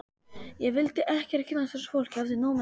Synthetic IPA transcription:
jɛɣvɪlt̪ɪʔɛhcɛɾ̥cʰɪnːasɛɾ̥sfowl̥chavðɪnɔːwm

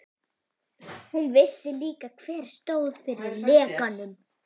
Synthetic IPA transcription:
hunvɪsːɪliːkakʰvɛːɾ̥st̪oːwðfɪɾɪɾlɛːkanːʏm

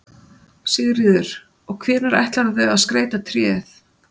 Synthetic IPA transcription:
sɛːɣðɪrɪːðʏɾ̥ | ɔɣkʰvɛːnaɾa̰jht̪laɾθœaðskɾeːjt̪at̪ʰɾjɛːθ

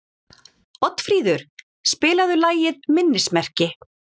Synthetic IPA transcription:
ɔt̪fɾiːðʏɾ̥ | spɪːlaðʏlaːjɪðmɪnːɪsmɛr̥cɪ

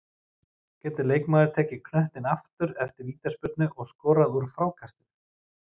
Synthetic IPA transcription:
cɛːt̪ʏleːjkmaːðɪɾ̥t̪ʰɛːcɪkʰnœht̪ɪnaft̪ʏɾɛft̪ɪɾviːt̪aspʏt̪nʏʔɔɣskɔːɾaðuɾfɾawkʰast̪ɪ̥

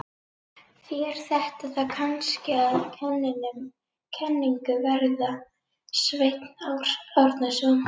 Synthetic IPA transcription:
fjɾ̥θɛht̪aðθaðkʰanscɪaðcʰɛnːɪnʏm | cʰɛnːiŋkʏvɛɾða | svejt̪naːwɾ̥awɾt̪nasɔn

